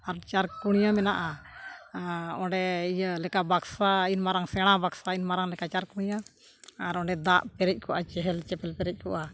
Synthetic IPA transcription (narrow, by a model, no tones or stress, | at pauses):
aɾt͡ʃaɾkuɽ̃ijamɛnaʔa | ɔ̃ɖɛijəlɛkabaksainmaɾaŋsɛɽ̃abaksainmaɾaŋlɛkat͡ʃaɾkuɽ̃ijaː | ɾɔ̃ɖɛd̪aʔpɛɾɛc̚ˀkʰɔʔat͡ʃɛɦɛlt͡ʃɛpɛlpɛɾɛc̚ˀkɔʔa